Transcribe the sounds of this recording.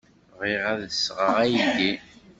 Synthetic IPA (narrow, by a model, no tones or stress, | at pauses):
ʁiʁæðəsʁəʁæjʝi